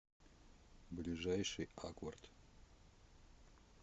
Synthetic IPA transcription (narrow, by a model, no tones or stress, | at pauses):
blʲɪʐajʂɨjakort̪